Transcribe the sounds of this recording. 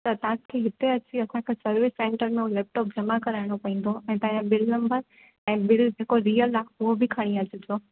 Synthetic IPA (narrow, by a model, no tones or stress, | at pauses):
t̪ɐt̪ɐɦãkʰeːɦɪt̪eɐt͡ɕiɐsãkʰeːsɐɾʋɪsːẽːɳʈəɾmẽɦolɛːp̚ʈɔːp̚d͡ʑɐmakɐɾaɪɽ̃opɐɦĩːn̆d̪oɛ̃ːt̪ɐ̃ːɲebɪlnɐ̃mbəɾ | ɛ̃ːbɪld͡ʑeːkoɾiːəlaʊɦobɪkʰɐɽ̃iad͡ʑɪd͡ʑoː